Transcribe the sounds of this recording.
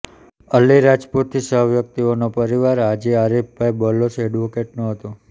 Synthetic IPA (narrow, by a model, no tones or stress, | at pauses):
əlːiɾad͡ʒpot̪̚ʰːisəɦəʋjək̚t̪ionopəɾiʋaɾad͡ʒiaɾip̚bajbɔlːosɛɖʋokeʈnũɦət̪u